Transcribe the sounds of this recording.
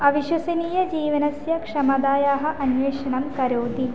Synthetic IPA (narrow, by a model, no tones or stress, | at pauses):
ɐʋiʃwɐsɐniːjɐd͡ʒiːʋɐnɐsjɐkʂɐmɐd̪aːjaːɦɐ̆ʔɐnʋeːʂɐɳɐmkɐɾoːd̪i